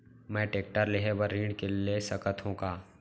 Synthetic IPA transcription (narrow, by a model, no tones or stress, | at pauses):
mɛ̃ːʈeːk̚ʈəɾleɦebəɾːĩːɳɖkelesəkət̪ɦũkaː